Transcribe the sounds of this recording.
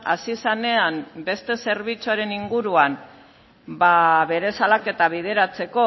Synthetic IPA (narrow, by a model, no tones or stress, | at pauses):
a̰sisane̞ambe̞st̪e̞se̞ɾβ̞it͡suaɾe̞niŋɡuɾuam | baβe̞ɾe̞salake̞t̪aβ̞ið̞e̞ɾat͡se̞ko̞